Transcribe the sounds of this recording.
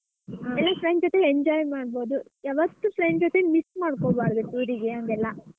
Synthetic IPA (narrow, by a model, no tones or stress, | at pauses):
ɛlːafɾeɳɖd͡ʒɔt̪eeɲd͡ʒaːjmaːɽbo̞ːd̪u | ɛʋɐt̪ːupɾeɳɖd͡ʒɔt̪emismaːɽkoːbaːɾd̪usuːɾiɡeɐŋɡɛlːɐ